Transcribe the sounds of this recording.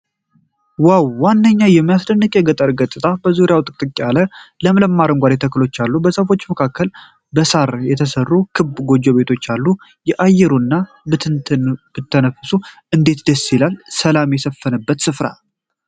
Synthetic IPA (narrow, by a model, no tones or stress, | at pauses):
wawːanːəɲːajɛmːijasd̪ənːɨkʼjɛɡət̪ʼːəɾɡət̪ʼːɨt̪ʰʼabəzuɾɪjawt̪ʼɨt̪ʼɨkʼːalələmələmːaɾəŋɡʷad̪et̪ʰəkːɨlo̞t͡ʃːalːubəsəfo̞t͡ʃːməkʰakːəl | bəsaɾjɛt̪ʰəsərːukʰɨbɡo̞d͡ʒːo̞βe̞t̪ʰo̞t͡ʃːalːu | jɛʔajɛɾunːa | bɨt̪ʰɨnt̪ʰɨnb̥ɨt̪ʰːənəfɨsuʔɨnd̪e̞t̪d̪əsːilalsəlamjɛsəfːənəbːət̪sɨfɾa̰l